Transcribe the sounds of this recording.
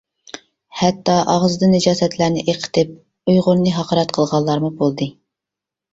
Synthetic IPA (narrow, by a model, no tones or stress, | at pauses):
hɛt̪ːɑʔɑʁzɨd̪ɨnɪd͡ʒɑːsɛt̪læɾnɪʔeqʰə̥t̪ʰɪp̚ | ujʁʊɾnːɨɦɑqʰɑɾɛt̪qʰəlˠʁɑlˠːɑɾmubolˠd̪ɨ